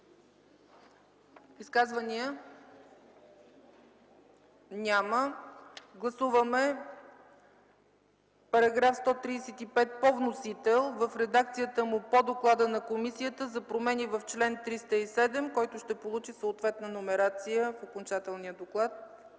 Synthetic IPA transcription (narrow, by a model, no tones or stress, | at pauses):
iskazvəniə | nʲamə | ɡlˠɐsuvəmɛ | pɐɾɐɡɾafst̪ɔt̪ɾisɛt̪ipɛt̪̚povnosit̪ɛlˠvəfɾɛd̪akt̪sijət̪əmupod̪oklˠad̪ənɐkomisijət̪əzɐpɾomɛnivəft͡ʃlɛnt̪ɾist̪əisɛd̪ɛmkɔjt̪ʊʃt̪ɛpolˠut͡ʃisoot̪vɛt̪nənomɛɾat̪sijəfokont͡ʃat̪ɛlˠnijəd̪oklˠat̪̚